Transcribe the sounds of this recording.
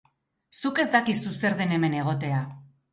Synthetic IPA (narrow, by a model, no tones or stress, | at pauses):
suke̞zd̪akisuse̞ɾðe̞ne̞me̞ne̞ɣ̞o̞t̪e̞a